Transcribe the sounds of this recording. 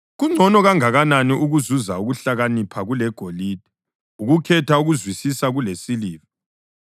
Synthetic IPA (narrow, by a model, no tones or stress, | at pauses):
ɣuŋ͡ǀʱɔnɔɣaŋaɣananiʔuɣuzuzauɣuɬaɣanipʰaɣulɛɡ̥ʱoliːd̥ʱɛ | uɣukʰɛtʰauɣuzwisisaɣulesiliːvɔ